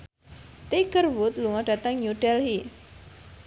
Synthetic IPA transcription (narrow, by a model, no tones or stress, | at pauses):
t̪eɡərwʊt̪luŋaɖ̥a̤t̪əŋɲuɖɛlɦi